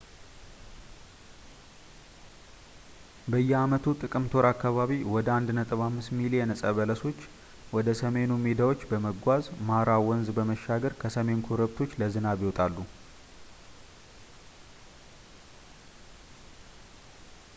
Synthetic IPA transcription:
bəjːɛamət̪ʰut̪ʼɨkʼɨmt̪ʰo̞ɾakːaβaβiwɔd̪əand̪nət̪ʼɨβamːɨsmilijɛnəsʼəβələso̞t͡ʃː | wɔd̪əsəme̞numed̪awo̞t͡ʃːbəməɡʷazmaɾawɔnzbəməʃːaɡəɾkʰəsəme̞nkʰoɾəβt̪ʰo̞t͡ʃːləzɨnaβiwɔt̪ʼalːu

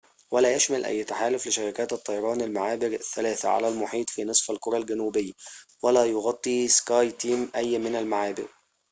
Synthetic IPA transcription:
wælæːjæʃmælʔæ̰jːt̪aħaːlʊflɪʃæɾɪkæːt̪ɨt̪ˤːɑjɑɾˤɑːnɪlmaʕaːbɪɾθːælæːθæʕa̰lælmʊħiːt̪ˤfiːnɨsˤfælkoɾˤɑlɡænuːbɪjːwælæːjoɣɑt̪ˤːiːskɑːjt̪iːmʔæjːmɪnælmaʕaːbɪ̰ɾ

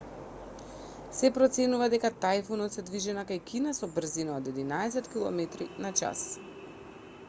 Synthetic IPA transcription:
sɛpɾɔt̪sɛnuvad̪ɛkat̪ajfunɔt̪sɛd̪viʒɛnakajkinasɔbr̩zinaod̪ɛd̪inaɛs̬ɛt̪kilˠɔ̰mɛt̪ɾinat͡ʃa̰s

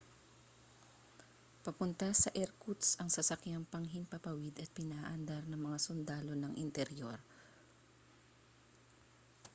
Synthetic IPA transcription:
pɐpʊnt̪ɐsɐʔɛɾkut̪sɐŋsɐsɐkjaŋpɐŋɦɪnpɐpɐwɪd̪ɐt̪̚pɪnaːʔɐnd̪aɾnɐŋmɐŋasʊnd̪aːlo̞nɐŋʔɪnt̪ɛɾjo̞ɾ

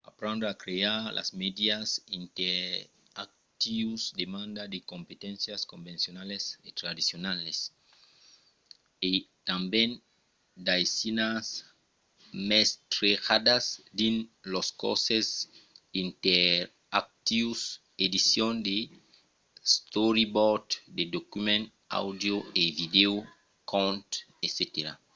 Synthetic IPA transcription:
apɾẽnd̪oakɾeaɾlʔa̰smed̪jasint̪e | a̰k̚ | t̪iusd̪emãnd̪ad̪ekompet̪ẽnsjaskombẽnsjonaleset̪ɾad̪isjonales | et̪ambjẽn | d̪ajsinas | mest̪ɾeɣad̪asd̪ĩnlosko̰sesint̪eɾ | ak̚t̪ius | ed̪isjõnd̪e | st̪oɾiboɾd̪d̪ed̪okymẽn | a̰wd̪joevideu | kõnt̪ | eset̪eɾa̰

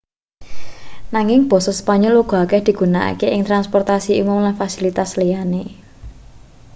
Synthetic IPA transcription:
naŋɪŋb̥ɔ̤sɔspaɲoluɡ̥ɔ̤kɛhd̪̥i̤ɡ̥ṳnaʔa̰keʔɪŋt̪ɾanspɔrt̪asiumʊmlanfasilit̪aslijane

